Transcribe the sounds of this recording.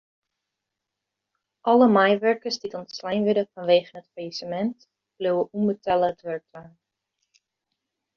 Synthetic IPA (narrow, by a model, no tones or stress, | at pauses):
ʔɔləmajʋɛɹkəsditɔntslajnʋɪdəfɔnʋejχənətfajisəmɛnt | b̥luwəʔumbətɛləətʋɛɹk̚tlaːn